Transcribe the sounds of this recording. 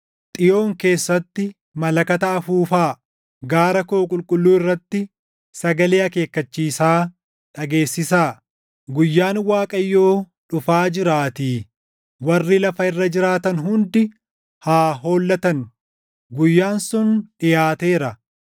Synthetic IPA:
t̪ʼɪjo̞ːŋke̞ːsːɐt̪ːɪ | mɐlɐkɐt̪ɐɐfuːfaː | ɡaːɾɐkoːkʼʊlkʼʊlːuːɪrːɐt̪ːɪ | sɐɡɐleːɐke̞ːkːɐt͡ʃːiːsaː | ᶑɐɡe̞ːsːɪsaː | ɡʊjːaːnwaːkʼɐjːo̞ː | ᶑʊfaːd͡ʒɪɾaːt̪iː | wɐrːɪlɐfɐɪrːɐd͡ʒɪɾaːt̪ɐnɦʊnd̪ɪ | haːɦo̞ːlːɐt̪ɐn | ɡʊjːaːnsʊnᶑɪjaːt̪e̞ːɾɐ

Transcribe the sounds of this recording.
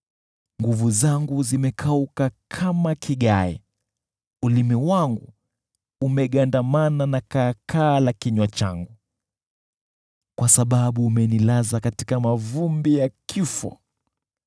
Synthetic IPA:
ŋɡuvuzaŋɡuzimɛkʰaukakʰamakʰiɠaɛ̰ | ulimiwaŋɡṵː | mɛɠandamananakakʰaːlakiɲwat͡ʃa̰ŋɡu | kwasaɓaɓuːmɛnilazakati̥kamavumbijakʰifɔ̰

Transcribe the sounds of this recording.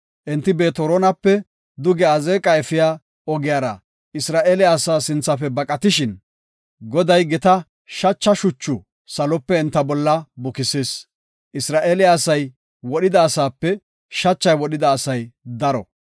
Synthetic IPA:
ʔɛnt̪ːɪbe̞ːt̪ɔɾɔnɐpːɛ | d̪ʊɡɛɐzeːkʼɐɛfɪjaː | ɔɡɪjaːɾɐ̰ | ɪsɾaːʔeːlɪaːsaːsɪnt͡sːɐfɛbɐkʼɐt̪ɪʃɪn | ɡɔd̪ɐjɡɛt̪ɐ | ʃɐt͡ʃːɐʃʊt͡ʃːʊ | sɐlɔpːɛɛnt̪ːɐbɔlːɐbʊkɪseːs | ʔɪsɾaːʔeːlɪːsɐj | wɔɗɪd̪ɐːsaːpːɛ | ʃɐt͡ʃːɐjwɔɗɪd̪ɐːsɐjd̪ɐɾɔ̰

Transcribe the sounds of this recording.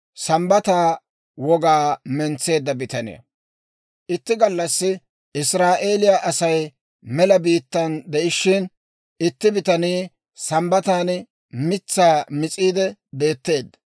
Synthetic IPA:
sɐmbɐt̪aː | wɔɡaːmɛnt͡sːe̞ːd̪ːɐbɪt̪ɐnɪ̰ɐ̰ | ʔɪt̪ːɪɡɐlːɐsːɪ | ʔɪsɾaːʔeːlɪjaʔɐsɐj | mɛlɐbiːt̪ːɐnd̪ɛʔɪʃːɪn | ɪt̪ːɪbɪt̪ɐniː | sɐmbɐt̪aːn | mɪt͡sːaːmɪt͡sʼiːd̪ɛbe̞ːt̪ːe̞ːd̪ːɐ̥

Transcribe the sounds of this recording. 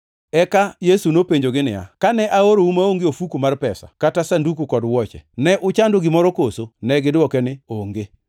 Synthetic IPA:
ɛkajesunopeɲd͡ʒoɡɪnɪ̰ja̰kanɛʔaoɾoumaoŋɡeofukumarpɛsa̰katasandukukɔdwɔt͡ʃɛ̰nɛʔʊt͡ʃandoɡɪmɔɾɔkosonɛɡɪdwɔkɛnɪoŋɡe

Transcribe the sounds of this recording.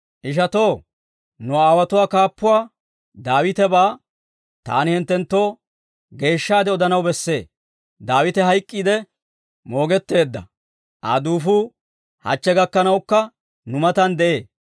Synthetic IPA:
ʔɪʃ̬ɐt̪o̞ː | nʊaːwɐt̪ʊwaːkaːpːʊwaː | d̪aːwɪt̪ɛbaː | t̪a̰ːnɪhɪnt̪ːɛnt̪ːo̞ː | ɡe̞ːʃːaːd̪ɛɔd̪ɐnɐwbɛsːe̞ː | d̪aːwɪt̪ɛɦɐjkʼːiːd̪ɛ | mo̞ːɡɛt̪ːe̞ːd̪ːɐ̰ | ʔa̰ːd̪uːfuː | hɐ̰t͡ʃːɛɡɐkːɐnɐwkːɐ | nʊmɐt̪ɐnd̪ɛʔe̞ː

